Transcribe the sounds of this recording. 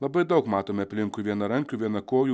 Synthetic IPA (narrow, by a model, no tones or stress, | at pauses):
lˠɐbɐɪd̪ɐʊkmɑːt̪oːmʲɛɐpʲlʲɪŋkuʋʲiɛnɐɾɐŋʲkʲuːʋʲiɛnɐkoːjuː